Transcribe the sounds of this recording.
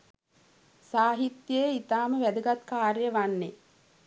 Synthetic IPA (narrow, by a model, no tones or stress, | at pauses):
saːɦit̪jejit̪aːməʋæd̪əɡat̪kaːɾjəʋanːe